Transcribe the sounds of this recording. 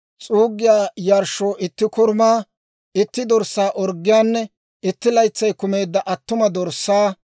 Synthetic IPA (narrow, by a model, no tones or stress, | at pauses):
t͡sʼuːɡːɪjaːjɐɾʃoːʔɪt̪ːɪkɔɾmaː | ɪt̪ːɪd̪ɔɾsːaːʔɔɾɡːɪjaːnːɛ | ɪt̪ːɪlɐjt͡sːɐjkʊme̞ːd̪ːɐʔɐt̪ːʊmɐd̪ɔɾsːaː